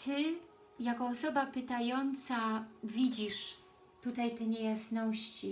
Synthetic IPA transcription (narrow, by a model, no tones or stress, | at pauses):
t̪ɘ | jakɔːsɔbapɘt̪ajɔnt̪savʲid͡ʑiʂ | t̪ut̪ajt̪ɛɲejasnɔɕt͡ɕi